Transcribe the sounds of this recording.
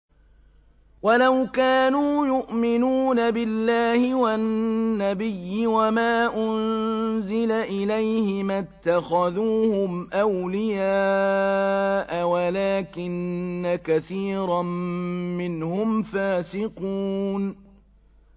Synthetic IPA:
walawkaːnuːjʊʔmɪnuːnabɪlːaːhɪwanːabɪjːɪwamaːʔʊnzɪlaʔɪlajhɪmat̪ːaxaðuːhʊmʔawlɪjaː | ʔawalaːkɪnːakaθiːɾˤɑmmɪnhʊmfaːsɪquːn

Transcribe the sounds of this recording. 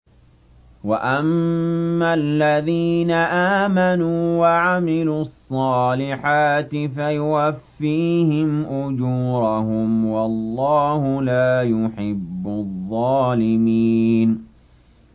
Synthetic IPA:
waʔamː | alːaðiːnaʔaːmanuːwaʕamɪluːɑsˤːɑːlɪħaːt̪ɪfajʊwafːiːhɪmʔʊd͡ʒuːɾˤɑɦʊmwɑlˤːɑːhʊlaːjʊħɪbːʊðˤːɑːlɪmiːn

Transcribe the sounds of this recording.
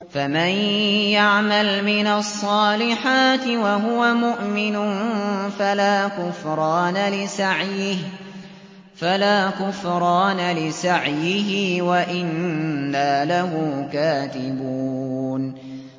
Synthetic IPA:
famanjaʕmalmɪnasˤːɑːlɪħaːt̪ɪwaɦʊwamʊʔmɪnʊnfalaːkʊfɾˤɑːnalɪsaʕjɪh | falaːkʊfɾˤɑːnalɪsaʕjɪɦɪwaʔɪnːaːlaɦʊːkaːt̪ɪbuːn

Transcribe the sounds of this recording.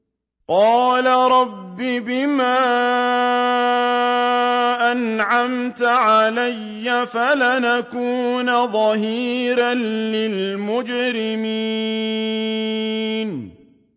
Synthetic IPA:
qɑːlaɾˤɑbːibɪmaː | ʔanʕamt̪ʕalajːafalanakuːnaðˤɑhiːɾanlɪlmʊd͡ʒɾɪmi | n

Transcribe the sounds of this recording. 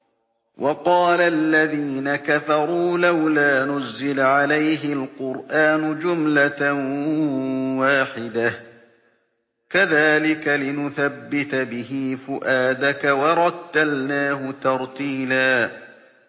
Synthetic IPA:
wʔɑqɑːlalːaðiːnakafɑɾˤuːlawlaːnʊzːɪlʕalajɦɪlqʊɾʔaːnʊd͡ʒʊmlat | waːħɪd̪a | kaðaːlɪkalɪnʊθabːɪt̪bɪɦɪfʊʔaːd̪akawɑɾˤɑt̪ːalnaːhʊt̪ɑɾˤt̪iːlaː

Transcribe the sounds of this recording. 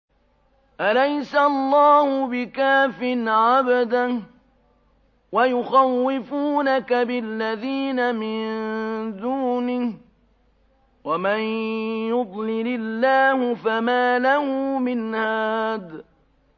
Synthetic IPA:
ʔalajsalˤːɑːhʊbɪkaːfɪnʕabad̪a | wajʊxawːɪfuːnakabɪlːaðiːnamɪnnd̪uːnɪh | wamanjʊd̪ˤlɪlɪlːaːhʊfamaːlahʊmɪnhaːd̪

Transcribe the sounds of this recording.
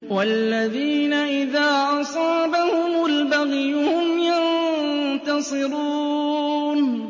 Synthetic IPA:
walːaðiːnaʔɪðaːʔɑsˤɑːbahʊmaalbaɣjʊhʊmjant̪ɑsˤɨɾuː | n

